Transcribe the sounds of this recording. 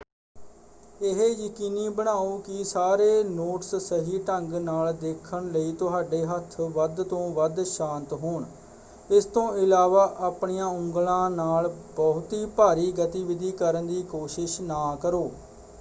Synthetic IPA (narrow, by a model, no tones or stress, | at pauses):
ɪɦejəkiːniːbəɽaːuːkɪsaːɾeːnoːʈssəɦiːʈəŋɡnaːld̪eːkʰːəɳləiːt̪ʊɦaːɖeːɦət̪ʰːʋəd̪t̪õːʋəd̪ʃãːnt̪ɦoːɳ | ɪst̪õːɪlaːʋaːʔaːpɳiːãːʊŋɡlãːnaːlbɔɦʊt̪iːpaːɾiːɡət̪iːʋɪd̪iːkəɾənd̪iːkoːʃɪʃnaːkəɾoː